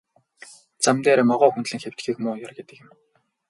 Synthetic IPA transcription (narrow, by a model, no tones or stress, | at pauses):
t͡samt̪eːɾeːmɔʁɔːxunɮɘ̆ŋxew̥t̪ɡiːkmʊːjarɡet̪ɘ̆kjɪ̆m